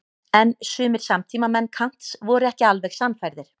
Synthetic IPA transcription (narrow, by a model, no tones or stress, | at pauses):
ɛnsʏːmɪɾ̥samt̪ʰiːmamɛnːkʰan̥t̪svɔɾʏɛhcɪalvɛxsanːfajɾðɪɾ̥